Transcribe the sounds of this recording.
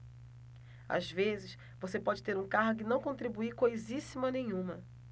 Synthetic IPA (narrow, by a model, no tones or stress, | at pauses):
a̰zvezɪʃ | vosepɔd͡ʒɪt̪eɾũkaɦʊɡʊɪnɐ̃w̃kõnt̪ɾibuikojzisimʊɐnẽj̃ũmɐ